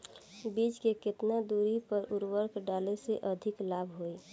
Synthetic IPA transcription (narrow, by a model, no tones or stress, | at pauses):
bid͡ʒkeket̪nad̪uɾipəɾuɾwəɾkʰɖaleseʔəd̪ʱiklabʱɦoi